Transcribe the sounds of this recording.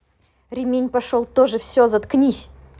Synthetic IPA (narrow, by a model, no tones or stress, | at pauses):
ɾʲɪmʲenʲpɐʂolˠt̪oʐɨfsʲozɐt̪knʲisʲ